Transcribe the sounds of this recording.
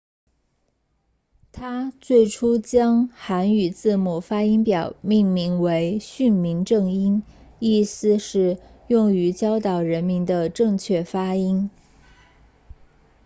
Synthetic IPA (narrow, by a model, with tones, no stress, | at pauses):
t̪ʰa˥t͡swe˥˩ɪʈ͡ʂʰu˥t͡ɕjɑ˥ŋxa˧˥ny˨˩t͡sɹ̩˥˩mu˨˩fa˥i˥npjɑ˨˩ʊmi˥˩ŋmi˧˥ŋwe˧˥ɪɕy˥˩nmi˧˥ŋʈ͡ʂɤ˥˩ŋi˥ni˥˩sɹ̩˥˧ʂɻ̩˥˧jʊ˥˩ŋy˧˥t͡ɕjɑ˥ʊt̪ɑ˨˩ʊɻə˧˥nmi˧˥nd̪ə˧ʈ͡ʂɤ˥˧ŋt͡ɕʰɥɛ˥˩fa˥i˥n